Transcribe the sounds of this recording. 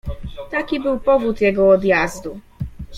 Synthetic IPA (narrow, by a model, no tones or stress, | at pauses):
t̪akʲibɘwpɔvut̪jɛɡɔːd̪jazd̪u